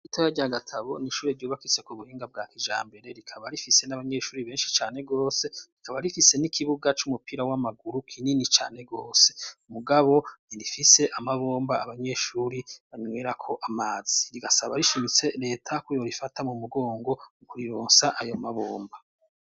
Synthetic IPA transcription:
itʰojaɟaɡatʰaβo̞niʃuːɾeɾɟuːβakisokoβuhiːŋɡab̚ɡaːkiʒa̰ːmbe̞ɾe̞ɾikʰaβaɾifise̞naβaɲe̞ːʃuːɾiβeːnʃi̥t͡ʃaːne̞ɡo̞ːse̞ɾikaβaɾifise̞nikʰiβuɡat͡ʃumupiɾawamaɡuɾukʰininit͡ʃa̰ːne̞ɡo̞ːse̞muɡaβo̞niɾifise̞ʔamaβo̞ːmbaaβaɲe̞ːʃuːɾiβaɲweːɾakʰo̞ʔamaːz̥iɾiɡasaβa̰ɾiʃimit͡se̞ɾe̞ːtʰakujo̞ɾifatamumuɡo̞ːŋɡo̞kuɾiɾoːnsaʔajo̞maβoːmba

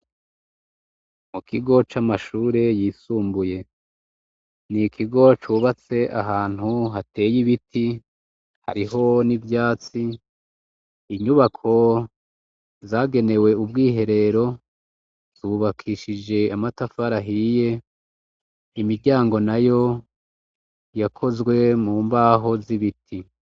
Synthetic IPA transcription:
mukʰiɡo̞t͡ʃamaʃuːɾe̞jiːsuːmbuje̞ | nikʰiɡo̞t͡ʃuːβat͡se̞ʔa̰ɦaːn̥huɦate̞ːjiβitʰi | ha̰ɾiɦo̞nivjaːt͡si | ɲuβakʰo̞ | zaːɡe̞ne̞we̞ubɡiːɦe̞ɾe̞ɾo̞ | z̥uːβakʰiːʃid͡ʒe̞amatafaɾaɦije̞ | imiɾɟaːŋɡo̞najo̞ | jakʰo̞zɡwe̞muːmbaːɦo̞ziβitʰi

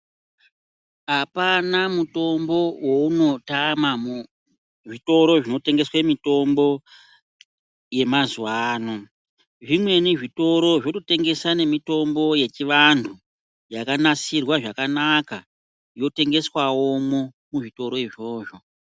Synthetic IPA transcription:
apanamuto̞mbo̞wouno̞tamam | ʐito̞ɾo̞ʐino̞te̞ŋɡe̞swamito̞mbo̞ | je̞mazuwaːno | ʐimwe̞niʐito̞ɾo̞ʐotote̞ŋɡe̞sane̞mito̞mbo̞je̞t͡ʃiʋantʰu | jakanasirwaʐakanaka | jo̞te̞ŋɡe̞swawomo | muʐito̞ɾo̞iʐo̞ːʐo̞

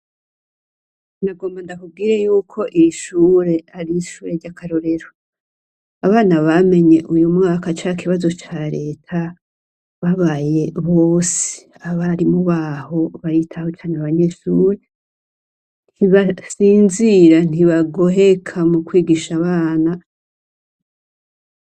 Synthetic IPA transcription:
ndaɡo̞ːmbandakub̚ɡiːɾe̞juːkʰo̞ʔiɾiʃuːɾe̞aɾiʃuːɾe̞ɾɟakʰaɾoɾe̞ɾo | aβaːnaβame̞ɲe̞ʔujumŋaːkat͡ʃakiβazo̞t͡ʃaɾe̞ːtʰa | βaβaːje̞βo̞se̥ | aβaɾimuβaho̞βaɾitʰahot͡ʃaːneaβaɲe̞ʃuːɾe̞ | n̥hiβasiːnziɾan̥iβaɡo̞ɦe̞kʰamukwiːɡiʃaβaːna

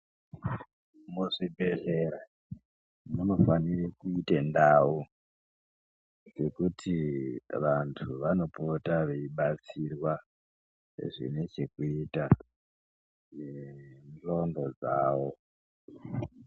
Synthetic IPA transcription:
muʐibʱe̞ɮeɾa | muno̞fanirikuitendau | d͡ze̞kutʰiʋantʰuʋano̞potaʋeiɓat͡sirwa | ʐḭne̞t͡ʃe̞kuita | nend͡ɮo̞ndo̞d͡zaːʋo̞

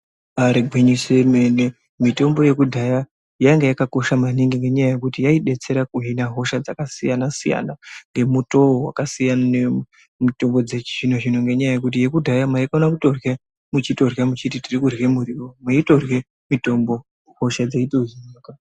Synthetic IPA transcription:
aɾiɡʱwiɲise̞me̞ne | mito̞mbo̞je̞kudʱaja | jaŋɡejakako̞ʃamaniŋɡiŋɡe̞ɲajaje̞kutijaiɗe̞t͡se̞ɾakuɦinaɦo̞ʃad͡zakasijanasija̰naŋɡe̞muto̞wa̰kasijanane | mito̞mbo̞d͡zet͡ʃʐinoʐinoŋɡe̞ɲajaje̞kutije̞kudʱajamaikaonakuto̞rje | mut͡ʃito̞rjamut͡ʃititirikurwemuɾiromaito̞rwe̞ | mito̞mbo̞ | ho̞ʃad͡zaitoɦinaka

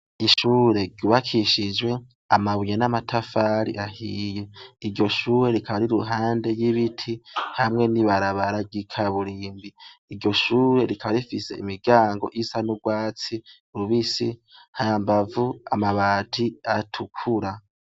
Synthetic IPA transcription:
iʃuːɾe̞ɟuβakʰiʃid͡ʒwe̞ | amaβujenamatʰafaɾḭʔahijeiɾɟo̞ʃuːɾe̞ɾikaβaɾiɾuɦaːnde̞jiβitʰihamŋe̞niβaɾaβaɾaɡikʰaβuɾiːmbiːɾɟo̞ʃuːɾe̞ɾikʰaβaɾifise̞imiɡaːŋɡo̞̰ʔisanuɡwaːt͡si | uɾuβisihajambavua̰maβaːtʰiatʰukʰuɾa

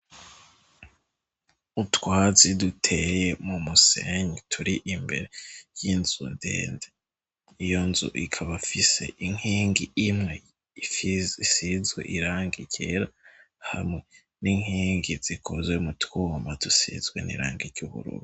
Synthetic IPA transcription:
utwaːzidutʰeje̞mumuseɲitʰuɾiʔimbe̞̰ɾejinzundḛːnde | ijo̞nzṵʔikʰaβafise̞̰ʔiŋhiːŋɡiimŋe̞ | iisizɡwḛʔiɾaːŋɡiɟḛɾa | ha̰mŋe̞ | niŋiːŋɡiz̥ikʰozwemutwumbadusḭzɡwenḭɾa̰ːŋɡiɾɟuβṵɾṵβu

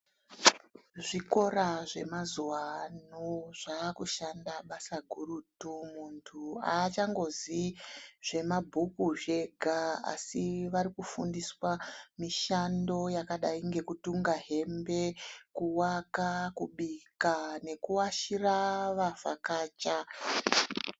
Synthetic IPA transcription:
ʐiko̞ɾaʐe̞̰mazuwanuʐ̥akuʃandaɓasaɡʱuɾutumuntʰuat͡ʃaŋɡo̞ziʐ̥e̞mabʱukuʒe̞ɡʱaa̰siʋaɾikufundiswamiʃando̞jakaɗaiŋɡe̞kutuŋɡaɦe̞mbe̞kuwakakuɓikane̞kuwaʃiraʋava̰kaːt͡ʃa

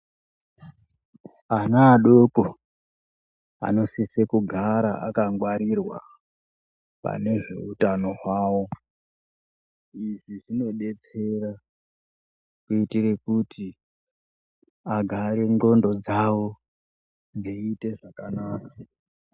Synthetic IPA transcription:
anaːɗoko | a̰no̞sisekuɡʱaɾaʔa̰kaŋɡwaɾirwa̰ | pa̰ne̞ʐe̞̰utano̞ɦwaːwo̞ | iʐiʐino̞ɗe̞t͡se̞ra | kuitire̞kutʰi | aɡʱaɾe̞ŋɡo̞ndo̞d͡zawo̞ | d͡ziite̞ʐakanaːka

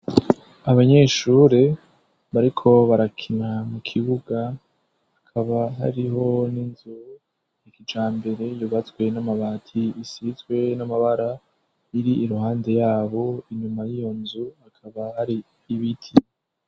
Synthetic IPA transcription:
aβaɲe̞ːʃuːɾe | βaɾikʰo̞βaɾakʰinamukʰiβuɡa | akʰaβaɦa̰ɾiɦo̞ninzu | ikid͡ʒaːmbe̞ɾe̞juβat͡swe̞namaβatʰiːsizɡwe̞namaβaɾa | iɾiiɾuhaːnde̞jaːβo̞iɲumajijo̞nzuakʰaβahaɾiː | βitʰi

